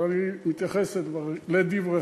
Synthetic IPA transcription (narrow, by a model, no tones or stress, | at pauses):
animit̪jaχeset̪vaʁled̪ivʁe